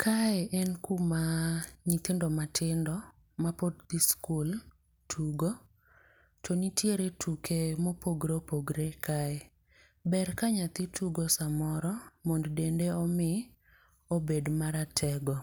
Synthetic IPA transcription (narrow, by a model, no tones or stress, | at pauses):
kʰaɛʔɛnkumaɲit̪ɪndɔmatʰɪndɔ | mapod̚d̪iskul | tʰuɡo | t͡ʃonitʰjeɾetʰukʰemopoɡɾopoɡɾekʰae | bɛrkaɲat̪ɪtʰuɡosamɔɾɔmonddendeɔmɪ | obedmaɾatʰɛɡɔ